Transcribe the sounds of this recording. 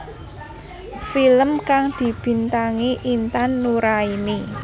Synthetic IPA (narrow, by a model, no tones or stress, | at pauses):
filəmkaŋd̪̥i̤b̥i̤nt̪aŋiʔint̪anːuɾaini